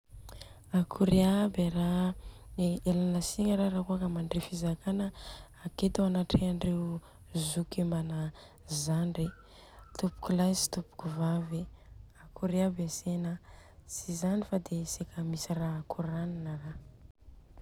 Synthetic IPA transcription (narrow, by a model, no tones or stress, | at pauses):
akʰuɾeabeɾa | elanasiŋəɾaɾakuakəmaɳɖ͡ʐefizakanəː | ket̪aanaʈ͡ʂeaɳɖ͡ʐew | zukemana | zanre | t̪upu̥kulazi̥t̪upu̥kuvaveakʰuɾiabasenasizanifad̪esekəmisiraakʰuɾaninəra